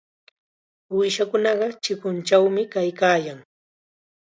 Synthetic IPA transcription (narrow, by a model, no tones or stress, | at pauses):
wɪʃakʊnɑɢɑt͡ʃɪkʊnt͡ʃawmɪkajkaːjaŋ